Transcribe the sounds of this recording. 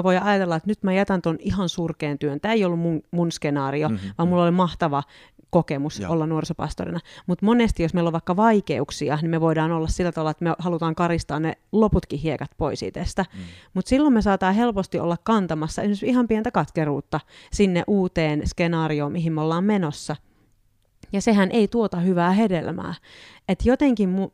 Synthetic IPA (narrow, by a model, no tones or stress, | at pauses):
eʋoiɑjɑt̪elːɑet̪nyt̪mæjɑt̪ɑnt̪oniɦɑnsurkeːnt̪yønt̪æːeijolːummuŋmunskenɑːrioʋɑːmulːolimɑht̪ɑʋɑ | kokemusʔolːɑnnuorisopɑ̰st̪o̰rḭnɑmut̪monest̪ijosmeiloʋɑikːɑʋɑikḛuksiɑnimeʋoidɑːnolːɑssilːæt̪ɑʋɑlːɑet̪mehɑlut̪ɑːŋkɑɾist̪ɑːnneloput̪kihiekɑt̪poisḭt̪ḛst̪æmut̪silːommesɑːt̪ɑːɦelpost̪iʔo̰lːɑkkɑnt̪ɑmɑsːɑʔḛsimersihɑmpient̪ækɑt̪keruːt̪ːɑsinːḛʔuːt̪eːnskenɑːrioːmiɦimːeolːɑːmmenosːɑ | jɑsehænʔeit̪uot̪ɑhyʋæːhedelmæ̰ːet̪jot̪eŋkimmu